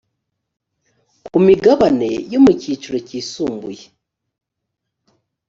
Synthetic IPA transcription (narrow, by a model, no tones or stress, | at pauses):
kumiɡaβane̞̰jomuciːt͡ʃuɾo̞ciːsuːmbṵje